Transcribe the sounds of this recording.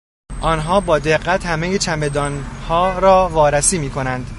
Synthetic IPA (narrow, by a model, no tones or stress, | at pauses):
ʔɒːnɦɒːbɒːd̪e̞ɢːæt̪hæmejet͡ʃʰæmbed̪ɒːnhɒːɾɒːvɒːɾæsiːmiːkʰo̞nænd̪